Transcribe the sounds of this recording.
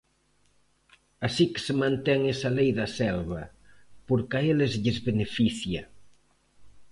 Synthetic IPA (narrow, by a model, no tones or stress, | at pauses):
asike̥semãnt̪ɛŋesɐlejðɐsɛlβɐ | poɾkaelezʎɪzβenefiθja